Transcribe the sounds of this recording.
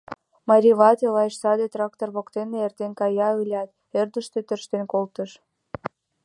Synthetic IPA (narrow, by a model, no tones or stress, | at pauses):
mɑɾʲiβɑt̪elɑjʃsɑd̪et̪rɑk̚t̪orβokt̪eneert̪enkɑjɑylʲɑt̪ | erd̪əʃt̪øt̪ə̆rʃt̪enkolt̪əʃ